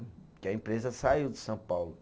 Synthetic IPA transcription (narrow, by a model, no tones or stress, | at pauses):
kɪɐẽpɾezɐsaiwd͡ʒ̪ɪsɐ̃w̃pawlʊ